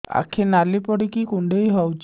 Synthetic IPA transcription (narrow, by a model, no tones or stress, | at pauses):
a̰kʰenalipɔɽikikuɳɖejɦɔwt͡ʃʰ